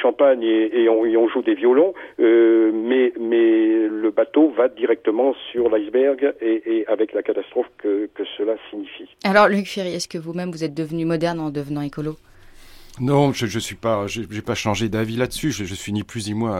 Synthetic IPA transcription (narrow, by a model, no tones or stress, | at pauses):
ʃɑ̃paɲeeɔ̃eɔ̃ʒud̪evjɔlɔ̃ømɛmɛləbat̪ovad̪iʁɛk̚t̪əmɑ̃syʁlajzbɛʁɡeeavɛklakat̪ast̪χɔfkəkəsəlasiɲifialɔʁlykfeʁiɛskəvumɛmvuzɛt̪̚d̪əvnymɔd̪ɛʁnɑ̃d̪əvənɑ̃ekɔlo | nɔ̃ʒəʒəsɥipaʒeʒepaʃɑ̃ʒed̪avilad̪əsyʒəʒəsɥiniplysimwa